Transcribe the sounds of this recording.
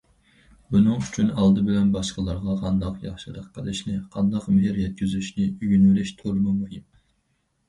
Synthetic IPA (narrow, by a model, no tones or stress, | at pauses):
bunɨŋyt͡ʃʰynɑlˠd̪ɨbɪlɛnbɑʃqəlˠɑɾʁɑqʰɑnd̪ɑqjɑχʃɨd̪əqʰːəlˠɨʃnɪqʰɑnd̪ɑqmɪɦɪɾjɛt̪̚kʲyzyʃnɪyɡynɪlɪʃt̪ʰoɾmɨmujim